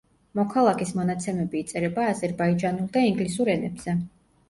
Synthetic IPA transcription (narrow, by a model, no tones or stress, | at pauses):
mɔkʰalˠakʰʼismɔnat̪sʰɛmɛbiːt̪sʼɛɾɛbaːzɛɾbaid͡ʒanulˠd̪aiŋɡlisuɾɛnɛbz̥ɛ